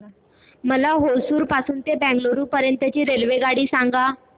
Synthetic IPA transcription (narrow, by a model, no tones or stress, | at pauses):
məlaɦowsuːɾpasuːnt̪ebæ̃ŋɡloɾuːpəɾjənt̪ət͡ɕiːɾelʋeɡaɽiːsaŋɡa